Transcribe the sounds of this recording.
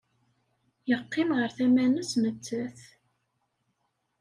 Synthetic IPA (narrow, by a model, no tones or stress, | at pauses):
jəqːɪmʁəɾθæmænəsnət͡sːæθ